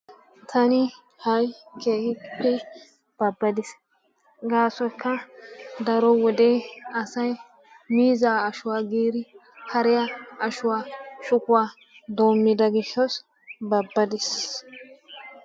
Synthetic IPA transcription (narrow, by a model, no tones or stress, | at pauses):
t̪ʰɐnɪ | hɐjkeːhɪpːɛ | b̥ɐbːɐd̪ɪs | ɡaːsɔjkʰːɐd̪ɐɾɔwɔd̪eːɐsɐj | miːzaːɐʃʊwaːɡiːd̪ɪ | hɐɾɪjaʔɐʃʊwaːʃʊkʊwaː | d̪oːmːɪd̪ɐɡɪʃːɔs | bɐbːɐd̪ɪs